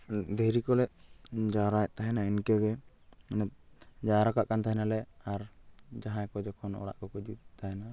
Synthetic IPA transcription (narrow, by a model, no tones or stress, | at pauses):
d̪ɛɾikɔlɛʔ̚d͡ʒaɾajʔ̚t̪aɦɛnainkɛɡɛ | nɛt̪̚d͡ʒaɾakaʔkant̪aɦɛnalɛaɾd͡ʒaɦãjkɔd͡ʒɔkʰɔnɔ̰ɽa̰ʔkɔkɔd͡ʒit̪ʰaɦɛna